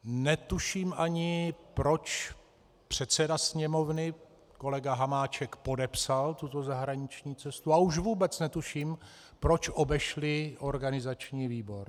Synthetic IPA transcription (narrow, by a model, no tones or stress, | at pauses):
nɛt̪uʃiːmʔaɲɪpɾo̞t͡ʃ | pr̝̥ɛt̪t͡sɛdasɲɛmo̞vnɪ | ko̞lɛɡaɦamaːt͡ʃɛkpo̞dɛpsalt̪ut̪o̞zaɦɾaɲɪt͡ʃɲiːt͡sɛst̪uauʃ̬vuːbɛt͡snɛt̪uʃiːm | pɾo̞t͡ʃʔo̞bɛʃlɪʔo̞ɾɡanɪzat͡ʃɲiːviːbo̞ɾ